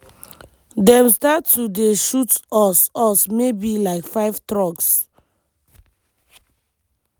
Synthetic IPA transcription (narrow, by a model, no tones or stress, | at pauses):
dɛ̃mstatːudeʃutɔsɔsmebilaɪkfaɪvtɹɔks